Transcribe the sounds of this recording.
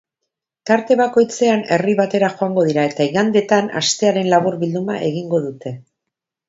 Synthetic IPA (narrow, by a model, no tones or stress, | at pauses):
t̪aɾt̪e̞βako̞jt͡se̞ane̞riβat̪e̞ɾaxo̞aŋɡo̞ð̞iɾae̞t̪aiɣand̪e̞t̪ana̰st̪e̞aɾe̞nlaβuɾβild̪uma̰ʔe̞ɣ̞iŋɡo̞ðut̪e̞